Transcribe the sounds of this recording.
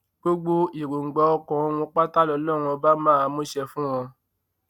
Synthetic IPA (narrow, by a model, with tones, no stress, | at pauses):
ɡ͡bo˦ɡ͡bo˦i˨ɾo˨ŋ̩˨ɡ͡bɔ˨˦ɔ˧kɔ̃˨o˧w̃ɔ̃˧k͡pa˦ta˦lɔ˧˦lɔ˦˨ɾ̃ũ˧ɔ˧ba˦mãː˦˨a˧mõ˦ʃɛ˧fũ˦w̃ɔ̃˧